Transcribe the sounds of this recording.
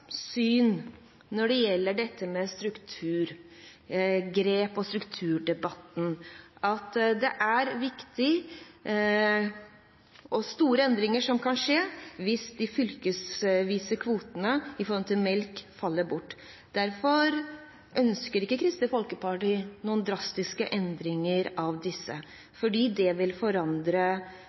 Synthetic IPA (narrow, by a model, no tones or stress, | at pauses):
syːnː | ɔɖɛjɛlːəɖɛt̪ʰːəmɛst̪ɾʉkt̪ʰʉːɾ | ɡɾeːpɔst̪ɾʉkt̪ʰʉːɖɛbɑt̪ːn̩ʔɑt̪d̪ɛʔæɾʋɪkt̪ɪ | ʔɔst̪uːɾəɛnd̪ɾɪŋəʂɔmkʰɑnʂeːʋɪsd̪ɪfʏlkəsʋiːsəkʰʋuːt̪ənəɪfɔɾɔm̩t̪ʰɪlmɛlkfɑlːəbʊʈː | d̪̥æɾfɔɾ | ʔœnskəɾɪkːəkʰɾɪst̪əfɔlkəpʰɑʈɪnuːənd̪ɾɑst̪ɪskəʔɛnd̪ɾɪŋəɾɑʋd̪ɪsːə̰ | fɔɖiːd̪ɛʋɪlfɔɾɑnd̪ɾə